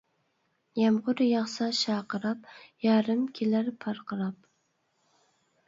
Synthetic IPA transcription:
jɑmʁʊɾjɑχsɑʃɑːqɨɾɑp̚jɑːɾɨmkʲʰelaɾpʰɑɾqʰɑɾɑp̚

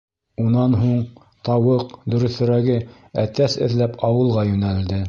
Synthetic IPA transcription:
unɑnɦuɴ | t̪ɑwɤqd̪ɵ̆ɾɵ̆θɵ̆ɾæɡɘ | æt̪æsɘ̰̆ðlæpɑwɤ̆lˠʁɑjʉnæld̪ɘ

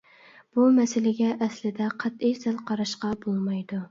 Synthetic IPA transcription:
b̥umɛsɪlɪɡʲɛʔːslɪd̪ɛqʰɑt̪eʃsælˠqʰɑɾɑʃqɑbolˠmɑjd̪u

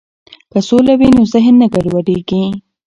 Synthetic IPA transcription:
kasolawinozɪɦnːaɡaɖwaɖeɡi

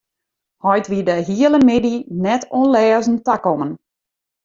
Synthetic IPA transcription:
hɔjtʋidəɦiələmɪdinɛtʰonlɛːzn̩takɔmən

